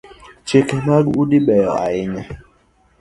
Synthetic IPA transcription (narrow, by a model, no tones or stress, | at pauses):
t͡ʃekɛmaɡuɗiɓɛjɔa̰ɪɲa